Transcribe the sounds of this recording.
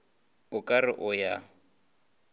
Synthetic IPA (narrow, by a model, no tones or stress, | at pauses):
ʊkʼarɪʔʊja